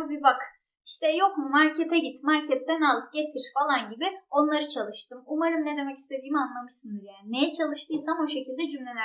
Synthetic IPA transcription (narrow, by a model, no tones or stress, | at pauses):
bibak | iʃt̪ʰɛjo̞kmumaɾcʰɛt̪ʰɛɟit̪maɾcʰɛt̪̚ːɛnalˠɯp̚ɟe̞t̪ʰiɾ̥falˠanɟibio̞nlˠaɾɯt͡ʃʰalˠɯʃt̪ɯmumaɾɯnned̪e̞mɛci̥st̪ʰe̞d̪iːmianlˠamɯʃsɯnd̪ɯɾjanejɛt͡ʃʰalˠɯʃt̪ʰɯjsamoʃe̞cilʲd̪ɛd͡ʒymlʲenæ